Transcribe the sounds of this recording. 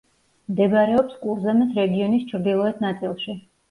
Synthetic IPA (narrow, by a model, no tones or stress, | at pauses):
md̪ɛɡaɾɛɔpskʼuɾzɛmɛsɾɛɡiɔnist͡ʃʰɾd̪ilˠɔɛt̪ʰnat̪sʼilˠʃi